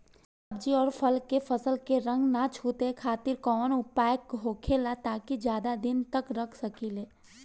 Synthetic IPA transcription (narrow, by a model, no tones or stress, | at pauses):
əb̚d͡ʒiɔːɾpʰəlkefɐsəlkeɾə̃ŋɡnat͡ʃʰuːt̪ekʰaːt̪ɪɾkɔːnʊpaːjkɦoːkʰelat̪aːkid͡ʒjaːd̪ad̪ɪnt̪əkɾɐkʰsəkileː